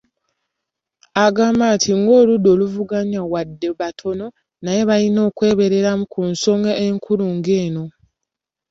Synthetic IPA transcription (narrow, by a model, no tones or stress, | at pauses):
aɡaːmbantʰiŋɡo̞ːludo̞ːluvuɡaɲawadːe̞βatʰo̞no̞ | naje̞βalino̞ːkwe̞ːβe̞ɾe̞ɾamukunso̞ŋɡaʔeŋkʰuluːŋɡe̞ːno̞